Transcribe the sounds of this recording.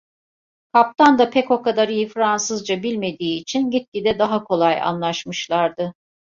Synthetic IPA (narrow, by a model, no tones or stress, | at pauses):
kʰap̚t̪ʰand̪apʰɛko̞kad̪aɾijɯfɾansɯzd͡ʒabilʲme̞d̪iːt͡ʃʰinɟit̪̚cid̪ɛd̪aɦakʰo̞lˠaja̰nlˠaʃmɯʃlˠaɾd̪ɯ